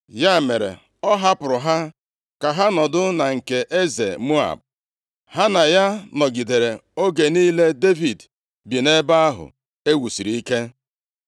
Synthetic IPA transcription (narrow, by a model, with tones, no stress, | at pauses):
ja˦˨me˨ɾḛ˨ | ɔ˦ɦa˦pʊ˨ɾʊ˨ɦa˦ | ka˨ɦa˦nɔ˨dʊ˦na˨ŋ̩˨ke˨ʔe˦zḛ˨mu˦a̰˨b̚ | hɦa˦na˨ja˦nɔ˨ɡi˨de˨ɾe˨o˦ɡe˨niː˦le˦de˦vi˨d | bi˨ne˦ba˦a˦ɦʊ̰˨ | e˦wu˨si˨ɾi˦i˦ke˦